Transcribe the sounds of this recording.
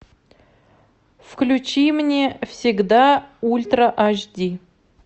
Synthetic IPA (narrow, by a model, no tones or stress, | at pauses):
fklʲut͡ɕimnʲefsʲɪɡd̪aulʲt̪rəʔaʒdʲi